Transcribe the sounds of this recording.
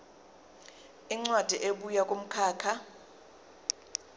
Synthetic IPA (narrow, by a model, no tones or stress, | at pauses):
iŋ͡ǀwad̥ʱiʔeɓujakʼom̩kʰaːkʰa